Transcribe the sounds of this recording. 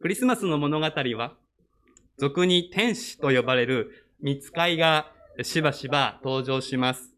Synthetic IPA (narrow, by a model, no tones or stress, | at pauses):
kɯ̟ɾʲisɨmasɨno̞mo̞no̞ɡat̪aɾʲiβa | d͡zo̞kɯ̟ɲ̟it̪ẽ̞ɰ̃ɕi̥t̪o̞jo̞baɾe̞ɾɯ̟ | mʲit͡sɨ̥kaiɡa | ɕibaɕibat̪o̞ːʑo̞ːɕimasɨ̥